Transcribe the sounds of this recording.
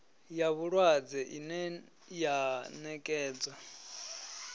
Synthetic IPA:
jaβuɺwad͡zɛʔinɛ | janɛkʼɛːd͡za

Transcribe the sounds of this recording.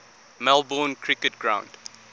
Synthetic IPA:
mɛlˠbɔːnkʰɹɪkət̚ɡ̥ɹã̰ʊ̃nd̥

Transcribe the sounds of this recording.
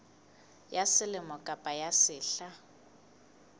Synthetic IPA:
jasɪlɪmɔkʼapʼajasɪːɬa

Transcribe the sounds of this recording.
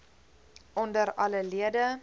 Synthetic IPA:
ʔɔndəɾɐləliədə

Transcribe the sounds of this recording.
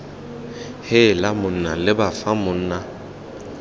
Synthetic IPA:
hɪlamʊn̩nalɪbafamʊn̩ːna

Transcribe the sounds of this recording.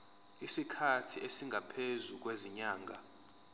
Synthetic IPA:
isikʰatʰiesiŋʱapʰezuk̬weziɲaːŋʱa

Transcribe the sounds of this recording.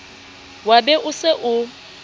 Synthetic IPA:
wabɛʔʊsɪʔʊ

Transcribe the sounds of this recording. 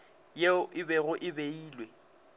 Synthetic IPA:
jeɪbɛɣʊʔɪbeiːlwe

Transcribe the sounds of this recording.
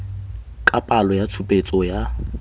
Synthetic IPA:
kʼapʼalɔjat͡sʰupʼet͡sʼɔja

